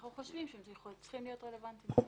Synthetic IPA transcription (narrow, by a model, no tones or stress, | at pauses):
χuχoʃvimʃemzjexolt͡sχimlijo̞tʁelevant̪im